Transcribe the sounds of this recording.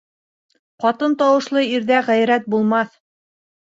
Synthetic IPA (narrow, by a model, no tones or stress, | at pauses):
qɑt̪ɤnt̪ɑwɤ̆ʃlˠɤiɾðæʁæjɾæt̪̚bulˠmɑθ